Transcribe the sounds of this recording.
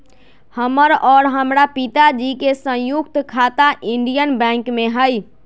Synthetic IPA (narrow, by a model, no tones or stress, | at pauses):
həməɾɔɾɦəmɾapit̪ad͡ʒikesə̃jukt̪kʰat̪aʔiɳɖijənbɛ̃ŋkmeɦəj